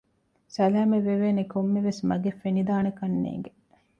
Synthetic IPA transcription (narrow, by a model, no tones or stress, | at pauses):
sɐlæːmeʋeʋeːnekomːeʋesmɐɡefːenid̪aːnɐkɐnːḛːŋɡe